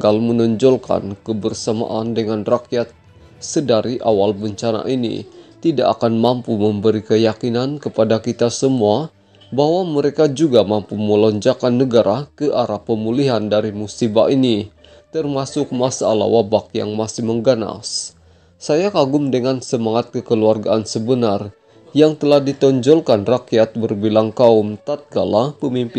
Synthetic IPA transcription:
ɡalmənɔɲd͡ʒɔlka̰nkəbərsama̰ʔandəŋanrakjat̪̚ | sədaɾiʔawalbəɲt͡ʃana̰ʔinḭt̪idaʔakanmampuməmbəɾikəjakinankəpadakit̪asəmua | baɦwaməɾekad͡ʒuɡamampuməlɔɲd͡ʒakanːəɡaɾʔakəʔaɾapəmuliɦandaɾimusiba̰ʔini | t̪ərmasʊk̚masaa̰la̰wabakja̰ŋmasihməŋɡana̰s | sajakaɡʊmdəŋansəmaŋat̪̚kəkəluarɡaʔansəbənar | jaŋt̪əlahdit̪ɔɲd͡ʒɔlkanrakiat̪̚bərbilaŋkaumt̪at̪̚ɡalahpəmimp

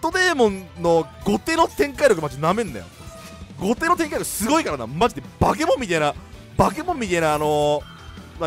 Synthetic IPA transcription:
t̪od̪e̞ːmõnːo̞ɡo̞t̪e̞ːno̞t̪ẽ̞ŋkaiɾʲjo̞kɯmat͡ɕinamẽ̞nd̪a̰jo̰ | ɡo̞t̪e̞ːnot̪ẽ̞ŋkaiɾokɯ̥sɨɡo̞ikaɾana̰mad͡ʑit̪ːebak̬e̞mõ̞mʲːit̪aĩna | bak̬e̞mõ̞mːʲit̪ainaːno̞ | ma

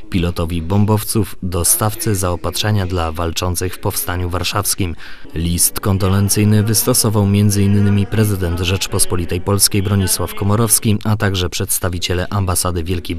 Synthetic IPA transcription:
pʲilɔt̪ɔvʲibɔmbɔft̪sufd̪ɔst̪aft̪sɘzaɔpat̪ʂɛɲad̪lavalt͡ʂɔnt̪sɘxfpɔfst̪aɲuvaɾʂafskʲimlʲist̪kɔnd̪ɔlɛnt̪sɘjnɘvɘst̪ɔsɔvawmʲjɛnd̪zɘinːɘmʲipɾɛzɘd̪ɛnt̪ʐɛt͡ʂpɔspɔlʲit̪ɛjpɔlskʲejbɾɔɲiswafkɔmɔɾɔfskʲiat̪aɡʐɛpʂɛt̪st̪avʲit͡ɕɛlɛʔambasad̪ɘvʲjɛlkʲej

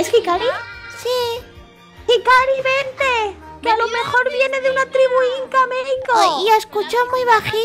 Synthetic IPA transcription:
eskikaɾisi | kikaɾiβent̪ekealo̞me̞xo̞ɾβje̞ne̞ðeunat̪ɾiβuiŋkameɣikoiaskut͡ʃomujβaxi

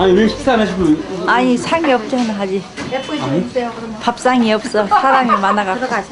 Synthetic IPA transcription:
aiɾeɕʰi̥s͈ʰanaɕʰiɡoaɲisʰaŋiʌp̚t͡ɕ͈ʌnaɦad͡ʑiaɲi | pap̚s͈aŋiʌps͈ʌsʰaɾamimanaɡa

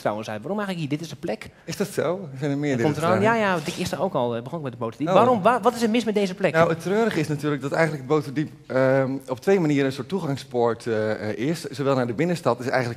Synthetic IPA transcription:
tra̰wə̃nsɛjʋaːɾɔmɛjɣənləkɦiːdɪtɪsəplɛk | ɪsdɔtsowsɛjnəmɪəddɪɔətojajadɪkɪstəowkɔlˠbəɔnɪk̚mɛtdəbowtədiʋarɔmaʋɔtɪsətmɪsmɛt̚dejzəplɛknowətrøːɾəχəɪsnatyːlək̚dɔtɛ̰jɣəndləkət̚bowtədip | ɔptʰʋejmaniəɾəənsʊətːuɣaŋspɔɹtɪssowʋɛlˠnaɹdəbɪnəstɑtɪsɛ̰jɣənlək

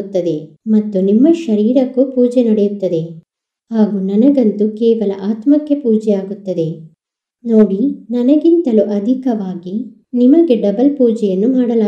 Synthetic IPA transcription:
t̪ːɐd̪e̞ | mɐt̪ːunimːɐʃɐɾiːɾɐkːupuːd͡ʒɛnɐɽejut̪ːɐd̪e̞ | haːɡuːnɐnɐɡɐnt̪ukɛːʋɐlɐʔaːt̪mɐkːe̞puːd͡ʒɛjaːɡut̪ːɐd̪e̞ | no̞ːɽinɐnɐɡint̪ɐluʔɐd̪ʱikɐʋaːɡi | nimɐɡe̞ɖɐbɐlpuːd͡ʒɛjɐnːumaːɽɐlaː

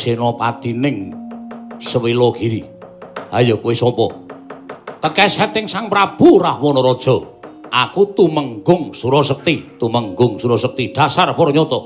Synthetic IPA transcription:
senɔpat̪inɪŋ | səwilɔɡ̥iɾi | hajɔkuwisɔpɔ | k̪əkɛsɛt̪ɪŋsaŋpɾab̥urahwɔnɔɾɔd̥ʒ̥ɔ̤ʔakut̪uməŋɡʊŋsuɾɔsək̚t̪it̪uməŋɡʊŋsuɾɔsək̚t̪iɖ̥asarpɔɾɔɲɔt̪ɔ

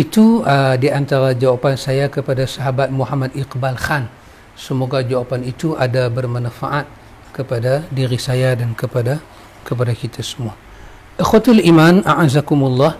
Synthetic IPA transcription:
ʔit̪uədiant̪aɾad͡ʒawapansajakəpadasaɦabat̪̚muɦamadiqbalxan | səmoɡad͡ʒawapanit̪uʔadabərmanafa̰ʔat̪̚ | kəpadadiɾisajadankəpada | kəp̬adakit̪ʰasə̥mua | ʔəxwat̪alimanaʕazakumulːɑh

